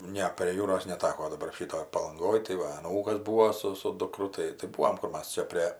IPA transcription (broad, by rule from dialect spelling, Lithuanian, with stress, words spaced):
ˈnʲɛ pʲrʲiɛ ˈjuːroːs nʲɛˈtɑːkoː dɐˈbɐr ˈʃʲiːtoːj pɐlˠɐŋˈɡoːj tɐɪ ˈʋɐ ɐˈnuːkɐs ˈbuːoː sʊ sʊ dʊˈkrʊ ˈtɐɪ tɐɪ ˈbuːʋoːm ˈkʊr ˈmɐs ˈt͡ʃʲɛ pʲrʲeː